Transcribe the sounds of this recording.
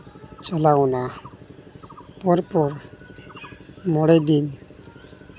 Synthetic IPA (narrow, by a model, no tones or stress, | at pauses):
t͡ʃɔlaɔna | pɔɾpɔɾ | mɔɽɛd̪in